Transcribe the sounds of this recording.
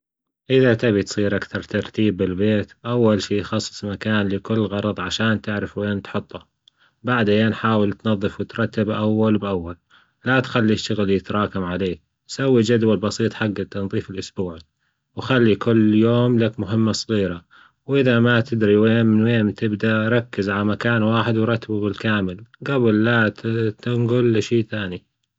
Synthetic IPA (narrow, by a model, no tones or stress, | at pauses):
ʔɪðat̪aβit̪sˤiːɾʔakθɑɾˤt̪ɑɾˤt̪iːbːɪlbeːt̪ʔawːalʃiːxɑsˤːɨ̥sˤmakaːnlɪkʊlːɣɑɾˤɑðˤʕaʃaːnt̪ɪʕɾɪfweːnt̪ħʊt̪ˤːɑ | baʕd̪jeːnħaːwɪlt̪nɑðˤːɨfwɪt̪ɾˤɑt̪ːabʔawːalbʔawːal | lat̪xalːiʃːʊɣljɪt̪ɾˤɑːkamʕaleːk̚ | sawːid͡ʒad̪walbɑsiːt̪ˤħaɡːat̪ɪnðˤiːfɪlʔʊsbuːʕ | wxalːikʊlːjoːmlakmʊɦɪmːasˤɣiːɾa | wʔɪðamat̪ɪd̪ɾiweːnmɪnweːmt̪ɪbd̪aɾˤɑkːɪzʕalamakaːnwaːħɪd̪wɾˤɑt̪ːabubɪlkaːmɪlɡabɪlːat̪t̪ɪŋɡʊlːʃiːθaːni